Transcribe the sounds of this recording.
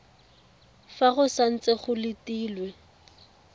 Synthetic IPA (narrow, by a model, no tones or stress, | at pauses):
faɣʊsan̩t͡seχʊlɪtiːlwɛ